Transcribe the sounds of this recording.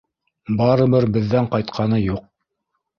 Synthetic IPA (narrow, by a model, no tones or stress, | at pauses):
bɑɾɤ̆βɤɾbɘ̆ðːæɴqɑjt̪qʰɑnɤjuq̚